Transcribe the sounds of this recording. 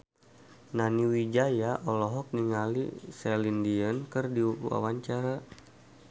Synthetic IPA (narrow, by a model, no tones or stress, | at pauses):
naniwid͡ʒajaʔɔlɔɦɔk̚niŋalḭsɛlindiənkɨrdiuua̰waɲt͡ʃaɾa